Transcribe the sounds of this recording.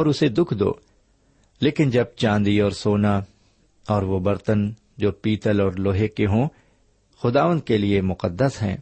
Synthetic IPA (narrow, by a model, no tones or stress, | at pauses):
ɔːɾʊsed̪ʊkʰd̪o̰ː | leːkɪnd͡ʒɐb̚t͡ʃãːnd̪iɔːɾsoːna | ɔːɾʋobɐɾt̪ən | d͡ʒoːpiːt̪əlɔːɾloːɦekeɦõ | xʊd̪aːʋə̃nd̪̚keliemʊqəd̪ːəsɦɛ̰̃ː